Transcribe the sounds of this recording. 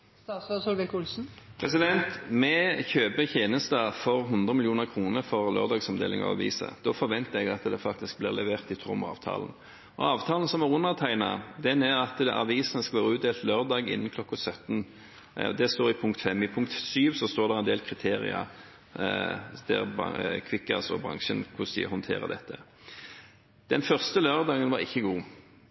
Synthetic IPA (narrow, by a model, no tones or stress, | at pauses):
sɔsʊlʋɛkʊlsn̩pʰʁɛs̬ɪd̪ɛnt̪mɛçøːbəçeːnəst̪ɑfɔɾɦʊnd̪ʁəmɪljuːnəʁkʰʁuːnəɾfɔʁlø̰ːʁd̪ɑːɡsɔmd̪ḛːlɪ̰ŋɑ̰ʋɑ̰ʋḭːsə̰d̪̥ɔfɔɾʋɛnt̪əɛɡɑt̪d̪ɛfɑkt̪ɪsk̚blɪ̰ʁlɛʋeːʁt̪ɪt̪ʰɾʊ̰mɑ̰ːʋt̪ʰɑ̰ːln̩ | ɔ̰ɑːʋt̪ʰɑːlən̩sɔmɛʁʊnːəʁt̪ʰæɪnɑ̰d̪ɛnɛɾɑt̪ɛʔɑ̰ʋiːsnəskɑʋeːʁəʉːt̪d̪eːlt̪løːʁd̪ɑːɡɪ̰nːənkʰlɔkːɑsœt̪n | d̪ɛst̪oːɾɪpʰʊŋkt̪fɛmːɪpʰʊŋk̚t̪syːʋsɔst̪oːʁd̪ɛʁɛnd̪eːlkʰʁɪt̪ʰeːɾɪ̰ɑ̰ | d̪̥æ̰ʁbɑ̰kʰʋɪkːɑsɔ̰bɾɑ̰ŋʃənkʰʊsḭəhɔnt̪ʰeːɾə̰d̪ɛt̪ʰːə | d̪̥ɛnfœʁst̪əløːʁd̪ɑːɡənʋɑɾɪçːəɡuː